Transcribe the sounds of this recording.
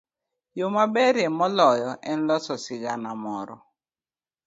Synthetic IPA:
jomabɛɾjɛmɔlɔjɔʔɛn̩lɔsɔsɪɡanamɔɾɔ̰

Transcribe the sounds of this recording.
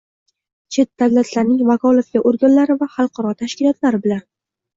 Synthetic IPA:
t͡ʃʰe̞t̪̚d̪̥awlat̪ʰlaɾnɪŋvakʰɒlˠefɡʲaʔoɾɡʲanlaɾɪvaχɑlˠqʰɑɾɒt̪ʰaʃkʲɪlˠɒt̪laɾɪbɪlan

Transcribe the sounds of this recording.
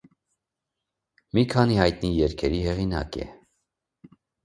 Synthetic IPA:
mikʰɑnihɑjt̪nijɛɾkʰɛɾihɛʁinɑ̰kɛ̰

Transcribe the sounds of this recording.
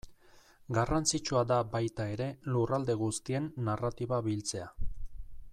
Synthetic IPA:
ɡarant͡sit͡ʃuad̪abajt̪ae̞ɾe̞lurald̪e̞ɣ̞ust̪ie̞nːarat̪iβaβilt͡se̞a

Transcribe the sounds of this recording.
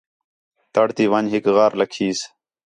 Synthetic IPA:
t̪əɽt̪iːʋəɲɦɪkɣaːɾləkʰiːs

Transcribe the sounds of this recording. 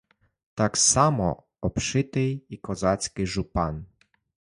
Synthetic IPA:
t̪aksamɔ̰ | ɔpʂɪt̪ɪikɔzat̪sʲkʲiʐupan

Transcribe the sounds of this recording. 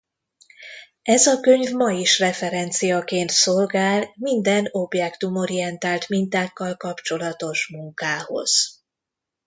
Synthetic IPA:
ɛzɒkø̞ɲvmɒjiʃrɛfɛɾɛnt̪sijɒkeːnt̪so̞lɡaːlmind̪ɛno̞bjɛkt̪umo̞ɾijɛnt̪aːlt̪mint̪aːkːɒlkɒpt͡ʃo̞lɒt̪o̞ʃmuŋkaːho̞̰z̥

